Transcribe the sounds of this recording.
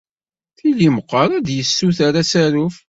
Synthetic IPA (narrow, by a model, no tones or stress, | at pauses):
θiliməqːɑɾˤæd̪jəsːuθaɾasæɾuf